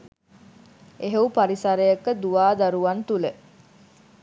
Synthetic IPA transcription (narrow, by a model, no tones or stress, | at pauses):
eɦeupaɾisaɾejəkəd̪uʋaːd̪aɾuʋant̪ule